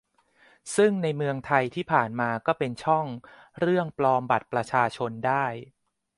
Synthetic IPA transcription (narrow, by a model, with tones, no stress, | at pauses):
sɯ˥˩ŋna˧jmɯ˧əŋt̪ʰa˧jt̪ʰiː˥˩pʰaː˨˩nmaː˧kɔː˥˩pe˧nt͡ɕʰɔ˥˩ŋ | ɾɯ˥˩əŋplɔː˧mba˨˩t̪̚pɾa˧t͡ɕʰaː˧t͡ɕʰo˧ndaː˥˩j